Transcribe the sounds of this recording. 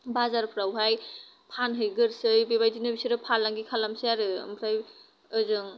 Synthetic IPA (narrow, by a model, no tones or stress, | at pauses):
bazaɾpʰɾawɦaj | pʰanɦɯjɡɯɾsɯjbebajdinɯbisɯɾɯpʰalaŋɡikʰalamseaɾɯmpʰɾaj | ɯzɯŋ